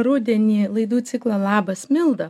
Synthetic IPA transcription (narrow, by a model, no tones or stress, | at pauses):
ɾuːd̪ʲɛnʲiːlˠɐɪd̪uːt̪sʲɪklˠɐlˠɑːbɐsmʲɪlˠd̪ɐ